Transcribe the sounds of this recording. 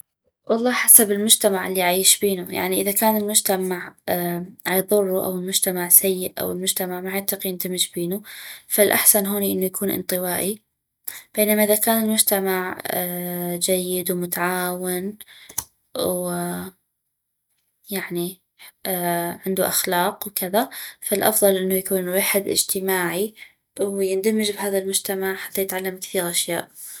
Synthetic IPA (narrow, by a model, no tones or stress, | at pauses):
wɑlˤːɑːħasabɪlmʊd͡ʒt̪amaʕɪlːiʕaiːʃbiːnuja̰ʕniʔɪðakaːnɪlmʊd͡ʒt̪amaʕ | ʕajðˤʊrˤːuʔa̰wɪlmʊd͡ʒt̪amaʕsajːɪʔʔa̰wɪlmʊd͡ʒt̪amaʕmaʕat̪ːaqiʔɪnt̪ɪmɪd͡ʒbiːnufalʔa̰ħsanɦoːniʔɪnːujakʰuːnʔɨ̰nt̪ˤɨwaːʔi | b̥eːnamaʔɪðakaːnɪlmʊd͡ʒt̪amaʕ | d͡ʒajːɪd̪wmʊt̪aʕaːwɪn | w | jaʕni | ʕɪnd̪uʔaxlɑːqwkɪðafalʔɑ̰fðˤɑlʔɪnːujakuːnwɪħɪd̪ʔɪ̰d͡ʒt̪ɪmaːʕi | wjɪnd̪amːɪd͡ʒbɦaːðalmʊd͡ʒt̪amaʕħat̪ːajɪt̪ʕalːamkθiːɾʔaʃja̰ːʔ